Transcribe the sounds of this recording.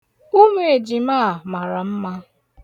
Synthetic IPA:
u˦me˦e˨d͡ʒi˨ma˦˨ma˨ɾa˨m̩˦ma˦

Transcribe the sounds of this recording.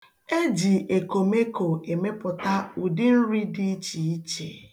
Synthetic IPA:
e˦d͡ʒi˨ʔe˨ko˨me˦ko˨e˨me˦pʊ˨ta˦u˨dɪ˦n̩˦ɾi˦di˦t͡ʃi˨i˦t͡ʃe˨

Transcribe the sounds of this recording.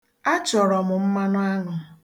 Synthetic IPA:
a˦t͡ʃɔ˨ɾɔ˨mʊ˨m̩˦ma˦nʊ˦a˦ŋʊ˨

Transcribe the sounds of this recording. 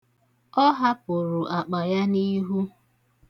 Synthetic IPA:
ɔ˦ɦa˦pʊ˨ɾʊ˨ʔa˨k͡pa˨ja˦ni˦ɦu˦

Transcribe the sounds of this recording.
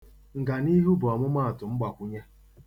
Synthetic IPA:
ŋ̩˨ɡa˨ni˦ɦu˦bʊ˨a˨mʊ˦ma˦a˨tʊ˨ŋ͡m̩˦ɡ͡ba˨kʷʊ˦ɲa˦

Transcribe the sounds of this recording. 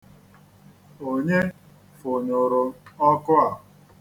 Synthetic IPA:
o˨ɲe˦ | fʊ˨ɲʊ˨ɾʊ˨ɔ˦kʊ˦a˨

